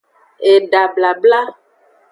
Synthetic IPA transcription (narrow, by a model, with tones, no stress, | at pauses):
e˨ɖa˨bla˨bla˦